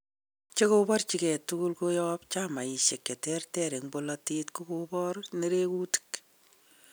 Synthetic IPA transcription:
t͡ʃe˦kobɔ˦rt͡ʃi˨kɛ˨tuku˦lkojɔpt͡ʃama˨i˨ʃe˨kːe˨tɛ˦rtɛɾe˨ŋbo˦lɔtitku˦kobɔ˦rne˦ɾe˦kuti̥k

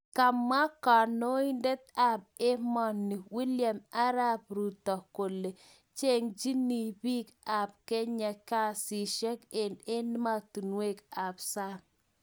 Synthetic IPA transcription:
ka˨mːa˦ka˨no˦i˦nde˦t̪̚a˨b̚e˦mɔ˨nːi˨wi˦lja˨ma˦ɾa˦p̚ɾu˨tɔ˨ko˨lːe˨ | t͡ʃe˦ŋd͡ʒi˦ni˨bi˦ka˨p̚kɛ˦ɲa˨ka˦si˨ʃɛ˦ke˨ne˦n˦ma˦tu˨nwe˦ka˨psa˦

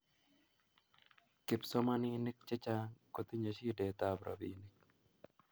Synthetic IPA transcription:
kɪ˨pso˦ma˦ni˦nɪ˦k̚t͡ʃɛ˦t͡ʃa˦ko˨t̪i˦ɲə˨ʃi˦de˨t̪a˦˨bɾʔa̰˨binɪk̚

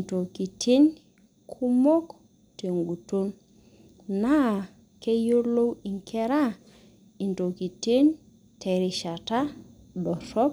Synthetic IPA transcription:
i˨nto˨ki˨tʰi˦n | kʰu˦mo˦k | te˨ŋɡu˨to˦n | na˦˨ | ke˦jo˦ɾlo˦wi˨ŋkʰɛ˦ɾa˦˨ | i˨nto˨ki˨ti˦n | tʰe˨ɾi˨ʃa˨ta˦ | dɔ˨sɔ˦k

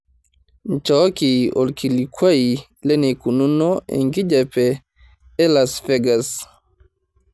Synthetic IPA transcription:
n̩˨t͡ʃɔ˦ki˨o̰˨lkʰi˨li˨kʰwa˦i | le˦ni˨ku˨nu˦no˦ḛŋɡi˦d͡ʒa˨peː˨˦ | la˨sfe˦ɡa˨s

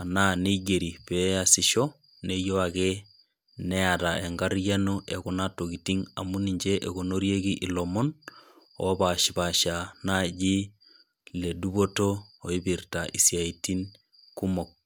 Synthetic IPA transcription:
a˨na˦ne˦ɡe˨ɾi˨pe˦a˨si˨ʃɔ˦ | ne˦jo˦a˨ɣe | nɛ˦aɾa˨e˨ŋɡa˦ɾja˦no˦ʔe˨ko˨natokiti˦ŋa̰˨mu˦niɲd͡ʒe˦ʔeɣono˦ɾje˦ɡi˦ʔi˨lɔ˨mɔ˦n | o̰˦βa˨ʃi˨ba˨ʃa˨na˦d͡ʒi˦ | le˨du˦βo˦toː˨i˦birtaʔi˨sja˨iti˦n | ku˦mo˨k̚

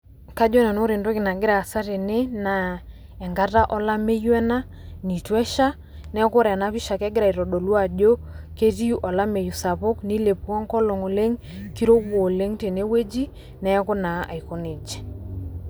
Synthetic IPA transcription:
ka˦d͡ʒɔ˦na˨no˦ɾɪ˨ndo˦kɪ˨na˨ɡɪ˦ɾa˨sa˦te˨ne˦na˨ | ɛ˨ŋɡa˦ta˦ʔɔ˦la˦me˦jwɛ˦na˦ | ni˨twɛ˦ʃa˦ | nɛ˦kʊ˦ɾɛ˨na˦pɪ˦ʃa˨kɛ˦ɡɪ˦ɾa˨i˨ɾɔ˨ɗo˨lwa˨d͡ʒo˦ke˦ti˦ʔɔ˨la˦me˨ju˨sa˨po˦kni˦le˨pkɔ˦ŋkɔ˦lɔ˨ŋo˨le˦ŋ | ki˦ɾo˦wo˨le˦ŋte˨ne˦we˦d͡ʒi˦ | nɛ˦kʊ˦na˨a̰˨jko˨ne˨d͡ʒɛ̥˨

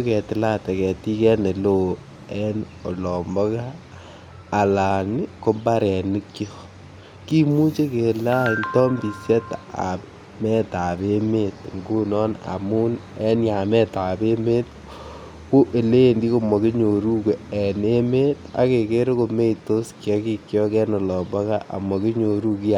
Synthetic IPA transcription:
ko˦kɛ˨tɪ˨la˦tɛ˨kɛ˨ti˦kɛ˦ne˨lo˦ | ɛ˦n | o˨lɔ˨mbɔ˦kaː˦˨ | la˨nko˦mba˦ɾɛ˨ni˦kjo˨ | ki˦mu˦t͡ʃe˦ke˨la˦ntɔ˦mbi˨sjɛ˦taa̰˨p | mɛ˦ta˨be˦me˦t̚ŋɡu˦nɔ˦na̰˨mu˦nɛ˦nja˨mɛ˦ta˨be˦me˦t̚ | ko˦ʔe˨le˦ndi˦ko˨mɔ˨ke˦ɲo˨ɾu˦ke˨ɛ˨ne˦me˦ta̰˦ke˨ke˦ɾo˦ko˨me˦ito˦skjɛ˦ki˨kjɔ˦kɛ˦nɔ˨lɔ˨mbɔ˦ka˦ʔa̰˨mɔ˨ke˦ɲo˨ɾu˦ki˦

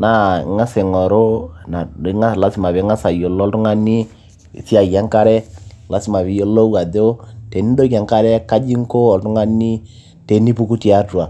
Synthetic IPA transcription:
na̰˦˨ŋa˦sɪ˨ŋɔ˨ɾo˦na˨˦ŋa˦˨la˦sɪ˨ma˨βe˨˦ŋa˦sa˨jo˨lːltʊ˦ŋa˦ni˦ | ɪ̰˨si˦a˨ja˦ŋka˦ɾɛ˦la˦sɪ˦ma˨βɪ˨jo˦lo˦wa˨ðo˦te˨ni˦do˦ja˨ŋka˦ɾɛ˦ka˦d͡ʒi˦ŋko˦ɔ˨ltʊ˦ŋa˦ni˦ | te˨ni˦pu˦ku˦ti˨a˦tu˨a˨

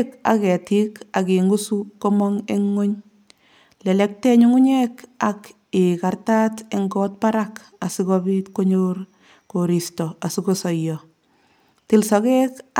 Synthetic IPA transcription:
ka̰˨kɛ˨ti˦ka˨ki˨ŋɡu˦su˦ko˦mɔŋe˦ŋːo˦ɲ | lɛ˨lɛ˦k̚tɛ˦ɲuŋu˦ɲɛka˨k | ɪkarta˦te˦ŋɡɔ˦t̚pa˦ɾak | a˨sikɔbitko˦ɲor | koɾistɔ˨a˨sikosɔ˨jɔ˨ | ti˨lsɔ˨kek

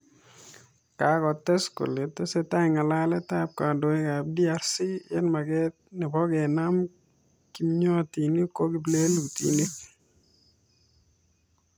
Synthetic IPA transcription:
ka˨kɔ˨t̪ɛ˦sko̰˨le˨t̪e˦se˦ta˦ɪŋa˨la˦lɛ˦t̪ap̚ka˨ndo˨e˦ka˨b̚di˦a˨ɾsi˦jɛ˦nma˨ɡɛ˦t̪̚nɪ˨bɔ˦ɡe˨na˦m | ki˦mɲɔ˦t̪i˨ni˦ko˦ɡi˦ble˦lu˨t̪ḭ˨ni˦k

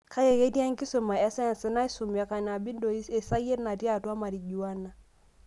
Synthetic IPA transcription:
ka˦je˨ke˦ti˦a˦ŋki˦su˨ma˨ɛ˦sa˦˨nsɪ˦na˦i˦su˨m˨a˨˦ka˨n˨a˨bi˦ndo˨i˦e˨sa˦je˦tna˨tja˦˨twa˦ma˨ɾi˨ɟu˨wa˦na˨

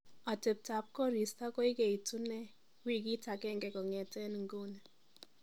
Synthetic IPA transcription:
ɔ˨tɛ˨p̚ta˨˦p̚kɔ˦ɾi˨sta˦kɔ˦i˦kɛ˨i˨tu˦nɛ˦ | wi˦k̬i˦ta˨kɛ˦˨ŋɡɛ˨kɔ˨ŋɛ˨tɛ˦n˨ŋ̩˨ɡo˦nɛ˨

